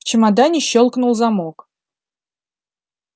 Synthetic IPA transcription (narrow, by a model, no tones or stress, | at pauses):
t͡ɕɪmɑd̪ɑnʲɪɕːolˠknulˠzamok